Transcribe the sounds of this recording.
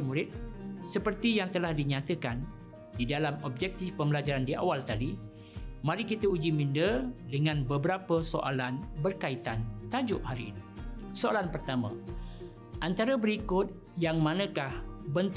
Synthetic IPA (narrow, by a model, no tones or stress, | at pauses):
muɾɪt̪̚səpərt̪ijaŋt̪əlahdiɲãt̪əkan | didalamɔb̚d͡ʒɛk̚t̪ɪfpəməlad͡ʒaɾandia̰walt̪adi | mãɾikit̪əud͡ʒimindədəŋãnbəbəɾapəsoʔa̰lanbərkait̪ant̪ad͡ʒʊʔhaɾiːnisoalanpərt̪amã̰ | ʔant̪aɾəbəɾikʊt̪̚ | jaŋmãnə̃kahbənt̪